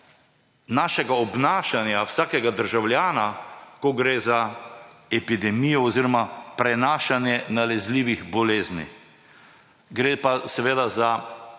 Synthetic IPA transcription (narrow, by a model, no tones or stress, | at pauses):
naːʃɛɡaɔbnaːʃanjawsaːkɛɡad̪əɾʒawlʲjaːnakɔɡɾeːza | ɛpid̪ɛmiːjɔːziːɾɔmapɾɛnaːʃanjɛnalɛzliːʋiɣbɔleːznḭ | ɡɾeːpasɛʋeːd̪aza